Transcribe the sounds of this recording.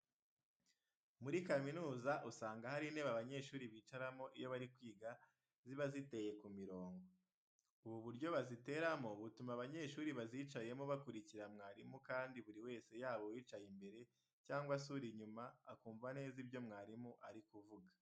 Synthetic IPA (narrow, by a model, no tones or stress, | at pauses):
muɾikaminuːzaʔusaːŋɡahaɾine̞ːβaβaɲe̞ːʃuːɾiβiːt͡ʃaɾamo̞ʔijo̞βaɾikwiːɡa | ziβazite̞je̞kumiɾo̞ːŋɡo | uβuβuɾɟo̞βazite̞ɾamo̞βutumaβaɲe̞ːʃuːɾiβaziːt͡ʃaje̞moβakuɾiciɾamŋaːɾimukaːndiβuɾiwe̞ːse̞jaːβo̞wiːt͡ʃajimbe̞ɾe̞ | caːŋɡwasuɾiɲumaːkuːɱvane̞ːzibjo̞mŋaːɾimuʔaɾikuvuɡḁ